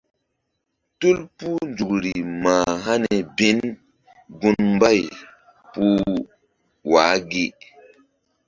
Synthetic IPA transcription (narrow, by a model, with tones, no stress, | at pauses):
tu˦lpu˦nd͡ʒu˨kɾi˨ma˨ɦa˦ne˨be˨˦n | ɡu˦nmba˦˨j | pu˦ | wa˨˦ɡe˦